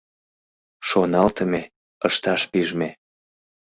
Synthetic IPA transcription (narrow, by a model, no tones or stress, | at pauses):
ʃonɑlt̪əme | əʃt̪ɑʃpiʒme